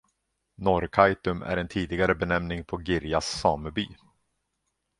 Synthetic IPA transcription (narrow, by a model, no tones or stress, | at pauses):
nɔɾkʰajt̪ɵmæ̰ɾɛnt̪ʰiːd̪ɪɡaɾəbɛnɛmnɪŋpʰɔɡɪɾjasːɑːməɾbyː